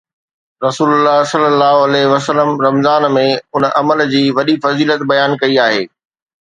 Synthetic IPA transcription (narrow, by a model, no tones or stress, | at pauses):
ɾɐsuːlʊlːaːɦsɐlːəlːaːɦoɐlɛɦʋɐsəlːəmɾɐmzaːnmẽʊnʔɐməld͡ʑiːʋɐɗifɐziːlət̪bɐjaːnkɐiaːɦeː